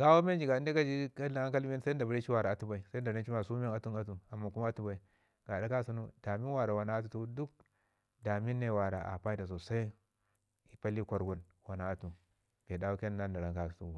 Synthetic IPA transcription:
ɡa˦wo˦me˦nd͡ʒi˨ɡa˨˦n˦de˦ka˦d͡ʒi˦ka˦a˨a˦ŋka˦li˦n˦sa˦da˨ba˦ɾi˦t͡ʃi˦wa˨ɾa˨a˨tu˦ba˨i˨sa˦da˨ɾa˦t͡ʃi˦ma˨su˦m˦e˦a˦tu˦na˦tu˨a˨mːa˨ku˦ma˦tu˦ba˨i˨˦ | ɡ̥a˨da˦ka˦sa˦nu˦da˨mi˦nwa˨ɾa˨wa˨na˨˦a˦t̬u˨tu˦du˦k̚ | da˨mi˦nːe˨wa˨ɾa˨ʔa̰˨pa˦i˦da˨s̬o˨sa˦i˦ | i˨pa˦li˦kʷa˨ɾɡu˦n | wa˨na˨a˦tu˨ | ɡ̥e˨da˦u˦ke˦n˨na˦nda˨ɾa˦ŋka˨tu˦˨

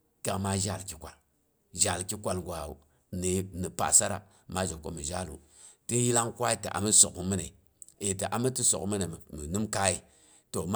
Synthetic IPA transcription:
ka˨ma˦ʒa˦˨lki˨kʷa˨l | ʒa˨lki˦kʷa˨lɡʷa˨u˨ | ne˨˦ni˨pa̰˨sa˦ɾa̰˨ | ma˦d͡ʒo˨kːo̰˦mi˨ʒa˦˨lṵ˨ | ti˦ji˦la˦ŋkwa˦i˦tḛ˨ʔa̰˨mi˦so̰˨kmi˦ne˨ | e˨te˨ʔa˨mi˦ti˦so̰˨kmi˦ne˨mi˨nu˦mka˦i˨ | to˨m˦

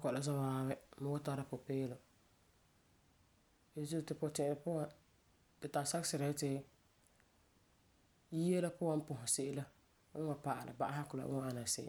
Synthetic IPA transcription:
a˦kɔ˨la˦za˦waː˦bɛ˦ma˦wa˦ta˦ɾa˦pʊ˨peː˦lo˨ | e˨˦zu˦˨tɪ˨pʊ˨tɪ˨ʔɪ˨ɾɪ˨pʊ˦wã˨ | tɪ˨ta˨sa˦ksɪ˨ɾa˨ɪ˦tɪ˦ | ji˦je˦la˦pʊ˦wa˦m˦pʊ˨ɦʊ˨sɪ˦ʔɪ˦la˦ | ŋ̩˦wa˨pa˨ʔa˨la̰˨ba˦ʔa˦ha˦kʊ˨la̰˨˦a˦a˨na˨sɪ̰˦ʔɪ̰˨

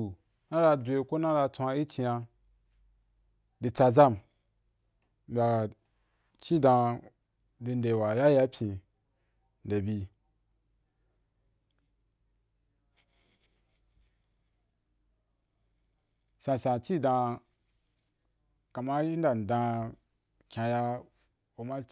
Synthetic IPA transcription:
u˨ | nã˦ɾa˧dʷe˧ko˦nã˦ɾa˧tʷa˧i˦t͡ʃi˧ja˧ | di˧t͡sa˧za˦˨m | m̩˨bʲa˨ | t͡ʃi˦dã˧ | di˧n˦de˨wa˨ja˦ja˦pʰʲĩ˧ | n̩˨de˨bi˧ | sã˧sã˨t͡ʃi˦dã˧ | ka˨ma˦ji˦n˦da˨n˨dã˧ | kʲã˧ja˧ | o˨ma˦

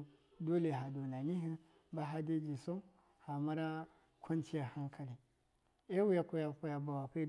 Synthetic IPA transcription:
do˦le˨ɦa˨do˨na˨ni˦ɦi˦ | ba˦ɦa˦de˦d͡ʒi˨so˦ | ha˨ma˦ɾa˦ | kʰʷo˦nti˦ja˨ha˦ŋkʰa˨li˨ | e˦wi˦ja˦ko˦ja˦ko˦ja˨ba˨wa˨ke˦

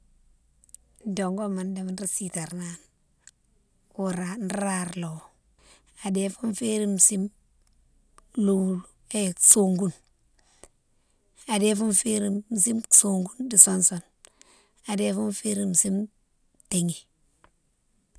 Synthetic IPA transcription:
do˨ŋɡo˦ma˨nde˨m˨n˦ɾi˦si˨ta˨ɾna˨n | ku˨ɾa˨n˦ɾa˨ɾlo˨ | a˨de˦fu˦nfe˦ɾi˦msi˦m | lu˨ | eso˨ŋɡu˦n | a˨de˦fu˦nfe˦ɾi˨m˨si˦mso˨ŋɡu˦ndi˨so˦nso˨n | a˨de˦fu˦nfe˦ɾi˦˨m˨si˦m | te˨ŋi˨

